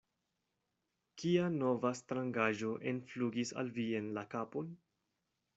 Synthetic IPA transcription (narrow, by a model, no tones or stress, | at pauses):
kiano̞vastɾaŋɡaʒo̞ʔe̞nfluɡisa̰lvie̞nlakapon